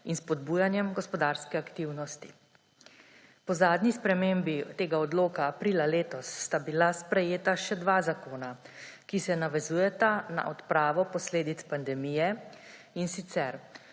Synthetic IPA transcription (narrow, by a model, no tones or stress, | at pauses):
inspɔd̪̚buːjanjɛmɡɔspɔd̪aːɾskɛakt̪iwnɔst̪i̥ | pɔzaːd̪nispɾɛmembit̪eːɡaɔd̪loːkaːpɾiːlaleːt̪ɔsːt̪abilaspɾɛjeːt̪aʃɛd̪ʋazakoːna | kisɛnaʋɛzuːjɛt̪ana̰ʔɔt̪pɾaːʋɔpɔsleːd̪it̪spand̪ɛmiːjɛ | insit̪sɛɾ